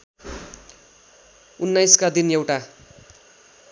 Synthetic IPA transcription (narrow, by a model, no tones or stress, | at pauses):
unːajskad̪inewʈa